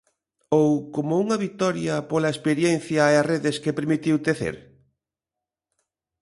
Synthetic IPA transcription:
owkomouŋɐβit̪ɔɾjɐpolɐespeɾjenθjɐeareðeskepeɾmit̪iwt̪eθḛɾ

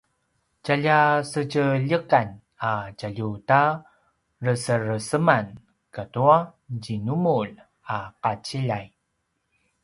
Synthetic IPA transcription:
caʎasəcəʎəkan | acaʎuta | rəsəɾəsəman | katuaɟinumul | aqat͡ɕiʎaj

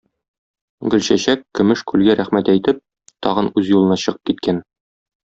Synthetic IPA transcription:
ɡɵ̆lɕæɕækːɵ̆mɘʃkʉlɡæɾæχmæt̪æjt̪ɘp̚ | t̪ɒ̰ʁɤnʉzjulˠɤ̆nɑɕɤ̆ʁɤ̥p̚kit̪̚kæn

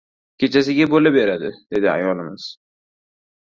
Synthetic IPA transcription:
kʲʰe̞t͡ʃʰas̬ɪɡʲabolabeɾad̪ɪd̪̥e̞d̪ɪa̰jɒlˠɪmɪz̥

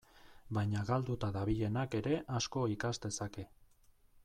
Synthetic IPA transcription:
bajɲaɣald̪ut̪aðaβiʎe̞nake̞ɾe̞ʔasko̞ikazd̪e̞sake̞

